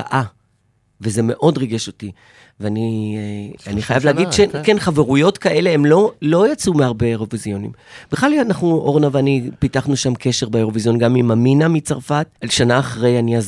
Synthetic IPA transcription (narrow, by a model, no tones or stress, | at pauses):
a̰ʔa | veze̞me̞ʔo̞dʁiɡe̞ʃo̞ti | veani | aniχajavleaɡidʃekenχaveʁujo̞tkaʔe̞leemlo̞lo̞jat͡sumeaʁbeeʁo̞vizjo̞nḭmb̥iχlalnaχnuʔo̞ʁnavanipitaχnuʃamkʰe̞ʃe̞ʁbeeʁo̞vizjo̞nɡamimaminamit͡saʁfatalʃanaːχʁe̞janiaz